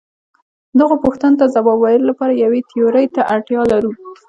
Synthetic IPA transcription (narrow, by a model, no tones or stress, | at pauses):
d̪əɣopoxt̪anot̪azabɑbwajɪllapɑɾajawet̪ʰijoɾəjt̪aʔaʈjɑlaɾu